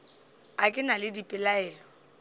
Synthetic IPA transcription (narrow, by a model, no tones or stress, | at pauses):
akʼɪnalɪdipʼɪlaɛːlɔ